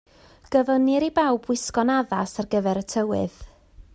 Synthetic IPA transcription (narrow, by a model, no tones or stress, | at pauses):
ɡ̥əvənɪɾibawbwɪskɔnaðasarɡəvɛɾətʰəwɪ̰ð